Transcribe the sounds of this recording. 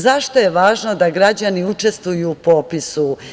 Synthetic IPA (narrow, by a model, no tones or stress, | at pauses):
zaʃt̪o̞je̞ʋaːʒno̞d̪aɡɾad͡ʑaniut͡ʂe̞st̪ʋujupo̞pisu